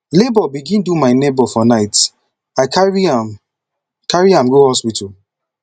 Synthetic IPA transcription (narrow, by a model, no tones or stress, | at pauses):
lebɔbiɡĩndumaɪnebɔfɔnaɪt | aɪkaɹiam | kaɹiãmɡohɔspitɔl